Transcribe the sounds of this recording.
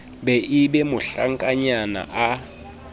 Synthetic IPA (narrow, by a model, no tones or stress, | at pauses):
ɓɛʔiɓɛmʊɬaŋkʼaɲana̰ʔa